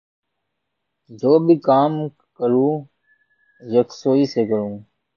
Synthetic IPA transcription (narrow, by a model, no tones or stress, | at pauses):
d͡ʒoːbʱiːkaːm | kəɾũː | jəksoːiːseːkəɾũː